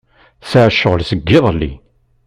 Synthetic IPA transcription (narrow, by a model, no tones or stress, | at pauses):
saʕʃːəʁəlsəɡːɪðˤlːḭ